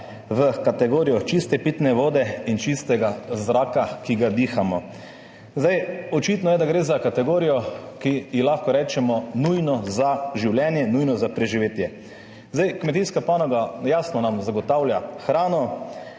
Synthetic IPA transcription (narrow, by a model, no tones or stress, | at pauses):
ʋəkat̪ɛɡoːɾijɔt͡ʃist̪ɛpit̪nɛʋoːd̪ɛint͡ʃist̪ɛɡazɾaːkakiɡad̪ixamɔ | zd̪ajɔt͡ʃit̪nɔjɛd̪aɡɾeːzakat̪ɛɡoːɾijɔkijixlaxkɔɾɛːt͡ʃɛmɔnujnɔzaʒiwljɛnjɛnujnɔzapɾɛʒiʋeːt̪jɛ | zd̪ajkmɛt̪iːskapanɔɡajaːsnɔnamzaɡɔt̪awljaxɾaːnɔ